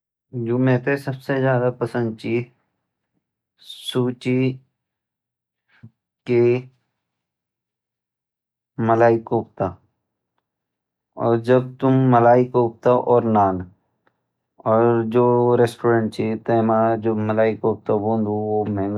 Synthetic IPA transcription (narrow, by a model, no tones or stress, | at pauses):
d͡ʒoːmɛ̃ːt̪esɐbsed͡ʒjaːd̪apɐsə̃nd̪̚t͡ʃiː | suːt͡ʃi | ke | məlaːikoːp̚t̪aː | ɔːɾd͡ʒɐb̚t̪ʊmːəlaːɪkoːp̚t̪aʔɔːɾnaːn | ɔːɾd͡ʒoːɾeːsʈoːɾə̃ɳʈ̚t͡ʃʰit̪eːmad͡ʒoːmɐlaːikoːp̚t̪abõːnd̪uʋoːmɛ̃ːŋɡ